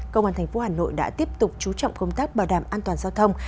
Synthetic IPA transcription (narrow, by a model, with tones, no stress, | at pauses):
kə̰˧wŋ͡maː˧t̪ʰɛ˨˩ŋ̟fo˨˦haː˨˩no̰˧˨jɗa̰ː˧˥t̪i˦˥əp̚t̪ʊ˨˩k͡p̚t͡ɕu˨˦t͡ɕɔ̰˧˨wŋ͡mkə˧wŋ͡mt̪aː˦˥k̚ɓaː˨˩ɗaː˨˩mʔaː˧nt̪waː˨˩nzaː˧wt̪ʰə˧wŋ͡m